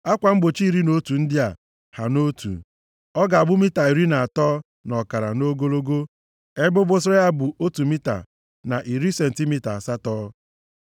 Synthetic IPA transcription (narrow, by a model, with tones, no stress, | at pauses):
a˦kʷa˨ŋ͡m̩˦ɡ͡bo˨t͡ʃi˦i˦˨ɾi˦no˦tu˨n̩˦dɪ˦a˨ | ha˨no˦tṵ˨ | ɔ˦ɡa˨a˨bʊ˦mi˦ta˨i˨ɾi˦na˨a˨tɔː˦ | nɔ˨ka˨ɾa̰˨no˦ɡo˦lo˦ɡo˦ | e˦bʊ˦bʊ˦s̬e˦a˦bu˨ʔo˦tu˨mi˦ta̰˨ | na˨ʔi˨ɾi˦se˨n̩˨ti˦mi˦ta˨sa˦tɔː˦